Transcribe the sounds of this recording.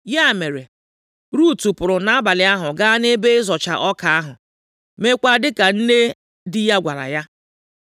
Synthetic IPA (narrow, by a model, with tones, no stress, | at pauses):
ja˦˨me˨ɾe˨ | ɾu˦˨tu˨pʊ˨ɾʊ˨na˨a˦ba˨lɪ˨a˦ɦʊ˨ɡa˦ne˦be˦ɪ˦zɔ˨t͡ʃa̰˨ʔɔ˦ka˨a˦ɦʊ˨ | me˦kʷa˦dɪ˦ka˨n̩˦ne˦ | dɪ˦ja˦ɡʷa̰˨la̰˨ja˦